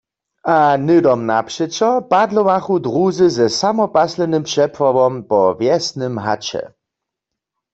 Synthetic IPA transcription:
ʔanɪdɔmnapʂɛt͡ɕɔpadlɔwaxud̪ʁuzɘzɛsamɔpaslɛnɘmpʂɛpwavɔmpɔvjɛsnɨmɦa̰t͡ɕɛ̰

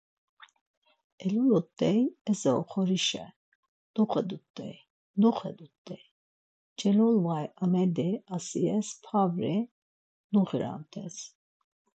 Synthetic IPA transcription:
ɛlulɔt̪ʼːɛjɛzɛɔ̰χʰɔɾiʃɛ̰ | d̪̥uχʰɛd̪ut̪ʼːɛ̰j | nuχɛd̪ut̪ʼːɛj | d͡ʒɛlɔlvajamɛd̪ɛasiɛspʰavɾɛ | nuχiɾa̰nt̪ʰɛs

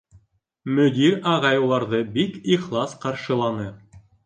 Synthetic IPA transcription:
mɵ̆d̪iɾɑʁɑjɤ̆wlˠɑɾðɤbikiχlˠɑsqɑɾʃɤ̆lˠɑnɤ

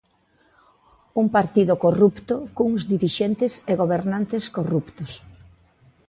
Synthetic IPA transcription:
uŋpaɾt̪iðʊkorupt̪ʊkoŋzðiɾiʃent̪ɪseɣoβeɾnant̪ɪskorupt̪os

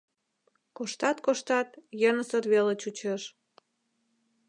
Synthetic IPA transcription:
koʃt̪ɑt̪koʃt̪ɑt̪jənəsərβelet͡ɕut͡ɕeʃ

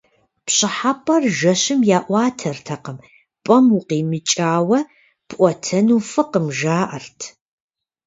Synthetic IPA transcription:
pɕɪħapʼɐrʒɐɕɪmjaːʔʷɑːtʰɐrtʰɐqəm | pʼɐmʊqiːmɨt͡ʃʼaːwɐ | b̥ʔʷɔtʰɐnuːfɨqəmʒaːʔɐrtʰ

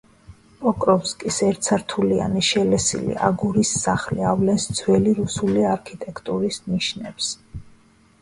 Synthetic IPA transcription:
pʼɔkʼɾɔfskʼisɛɾt̪sʰaɾt̪ʰulia̰niʃɛlɛsḭlḭʔa̰ɡuɾisːaχliavlɛnsd̪zwɛliɾusuliaɾkʰit̪ʼɛkʰt̪ʼuɾisniʃnɛbs

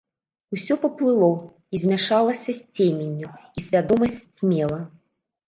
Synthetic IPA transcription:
usʲɔpɐplˠɨlˠɔ | izʲmʲaʂalˠɐsʲɐsʲt͡sʲemʲenʲːuisʲvʲad̪ɔmɐsʲt͡sʲmʲɛlˠɐ

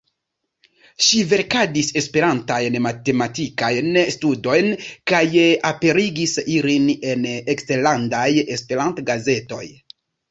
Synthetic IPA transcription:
ʃive̞ɾkadise̞spe̞ɾantajnmate̞matikajnstudo̞jnkajape̞ɾiɡisiline̞neksteɾlandaje̞spe̞ɾantɡaze̞to̞j

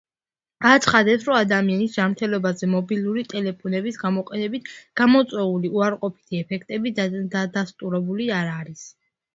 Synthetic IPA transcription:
ɡ̥at̪sʰχad̪ɛpsɾɔad̪amianisd͡ʒamɾt̪ʰɛlɔbazɛmɔbilˠuɾit̪ʼɛlɛpʰɔnɛbisɡamɔqʼɛnɛbit̪ʰɡ̥amɔt̪sʼwɛuliuaɾqʼɔpʰi̥t̪ʰiɛpʰɛkʰt̪ʼɛbid̪ad̪ast̪ʼuɾɛbuliaɾaɾis

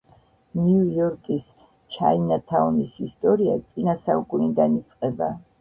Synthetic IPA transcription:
niujɔɾkʼis | t͡ʃʰa̰inat̪ʰaɔnisist̪ʼɔɾiat̪sʼinasaukʼunid̪anit̪sʼqʼɛba

